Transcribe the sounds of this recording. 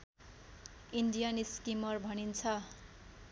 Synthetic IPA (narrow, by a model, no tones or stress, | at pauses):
inɖijaniskimʌrbʱʌnint͡sʰʌ